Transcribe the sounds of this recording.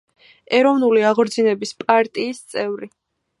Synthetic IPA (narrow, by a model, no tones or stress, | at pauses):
ɛɾɔvnuliaʁɾd̪zinɛbispʼaɾt̪ʼiːst̪sʼɛvɾi